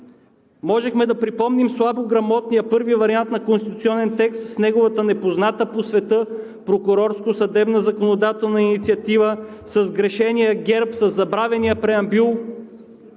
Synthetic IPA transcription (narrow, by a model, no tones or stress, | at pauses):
mɔʒɛxmɛd̪ɐpɾipɔmnimslˠaboɡɾɐmɔt̪nijəpɤɾvivɐɾiant̪nɐkõnst̪it̪ut̪siɔnɛnt̪ɛkst̪snɛɡovət̪ənɛpoznat̪əposvɛt̪ɤ | pɾokʊɾɔɾskosɐd̪ɛbnəzɐkonod̪at̪ɛlˠnɐinit̪siɐt̪ivəsɐzɡɾɛʃɛnijəɡʲɛɾpsɐzːɐbɾavɛnijəpɾɛɐmbylˠ